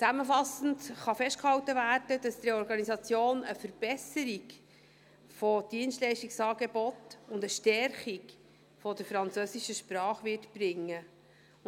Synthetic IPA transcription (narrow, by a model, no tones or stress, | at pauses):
t͡sæməfɑsən̩tχɑfɛʃtkhɑwtəvæːɾd̥əd̥ɑsd̥̪ɾeɔɾɡɑnisɑt͡sjoːnəfəɾb̥ɛsəɾik | fɔd̥iənstlɛɪʃtiksɑːɡebɔtʊndəʃtɛɾχik | fɔd̥əɾfɾɑnt͡søsiʃəʃpɾɑːχʋɪːtb̥ɾɪŋːə